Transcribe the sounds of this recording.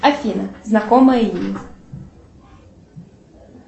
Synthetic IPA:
afʲinɐznakɔmɐjimʲi

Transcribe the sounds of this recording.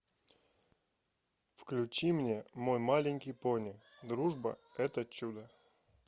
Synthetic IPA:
fklʲʉt͡ɕimnʲemojmalʲɪnʲkʲijponʲɪk | d̪ɾuʐbə̰ɛt̪ət͡ɕːud̪ə

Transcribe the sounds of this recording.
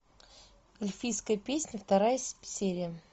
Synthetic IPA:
əlʲfʲijskəjəpʲesʲnʲəft̪ɐɾajəsʲeɾʲɪjə

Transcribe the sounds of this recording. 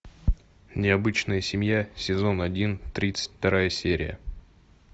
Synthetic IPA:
nʲɪɐbɨt͡ɕnəjəsʲɪmʲjasʲɪzo̞nɐdʲint̪ɾʲit̪sɨ̥tʲft̪ɐɾajəsʲeɾʲɪ̰jə̰

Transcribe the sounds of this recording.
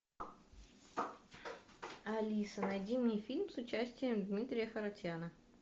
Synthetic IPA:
ɐlʲisənɐjdʲimʲnʲɪjfʲilʲmsʊt͡ɕæsʲtʲɪjəmd̪mʲit̪ɾʲɪjəxəɾɐtʲjanə

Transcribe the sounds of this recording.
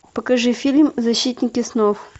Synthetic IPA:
pəkɐʐɨfʲilʲmzɐɕːit̪ʲnʲɪkʲɪsnof

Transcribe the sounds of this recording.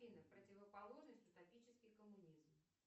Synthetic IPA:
inəpɾətʲɪvəpɐlˠo̞ʐnəsʲtʲʊt̪ɐpʲit͡ɕɪskʲɪjkəmʊnʲizm

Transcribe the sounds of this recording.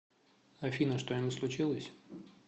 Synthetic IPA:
ɐfʲinəʂt̪ojamʲuslˠʊt͡ɕilˠəsʲ

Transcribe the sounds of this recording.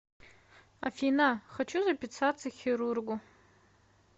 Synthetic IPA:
a̰finaχat͡ʃʰuzapʲit͡sʰat͡sʰɨχʲiɾurɡʷu

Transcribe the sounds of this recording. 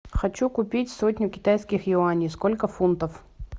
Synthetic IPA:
xɐt͡ɕukʊpʲitʲsotʲnʲʊkʲɪ̥t̪ajskʲɪxjɪanʲijskolʲkəfunt̪əf

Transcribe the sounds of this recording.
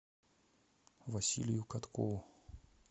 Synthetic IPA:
vɐsʲḭlʲɪjukat̪kovu

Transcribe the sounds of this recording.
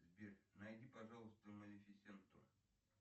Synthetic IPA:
zʲbʲernajdʲipɐʐalˠəst̪əmənʲɪfʲɪsʲent̪o̰

